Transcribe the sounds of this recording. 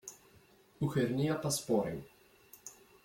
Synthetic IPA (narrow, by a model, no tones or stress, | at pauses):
uxɛɾnʲijat̪aspɔɾɛ̰n